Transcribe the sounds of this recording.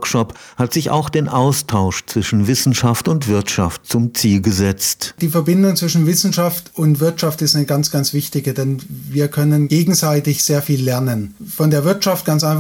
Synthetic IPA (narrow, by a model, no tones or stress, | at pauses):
kʃɔphatz̥ɪça̰ʊxd̥eːnʔaʊstʰaʊʃt͡sv̥ɪʃn̩vɪsn̩ʃaftʊntv̥ɪɐtʃaft̚t͡sʊmt͡siːlɡəzɛt͡std̥iːfɛɐbɪndʊŋt͡sv̥ɪʃn̩vɪsn̩ʃaftʊntv̥ɪɐtʃaftɪstanəɡant͡sɡ̥ant͡sv̥ɪçtɪɡədɛnviːɐkʰœnənɡeːɡŋ̩zaɪtɪçz̥eːɐfiːlːɛɐnənfɔndeːɐvɪɐtʃaft̚ɡ̥ant͡sʔaɪnf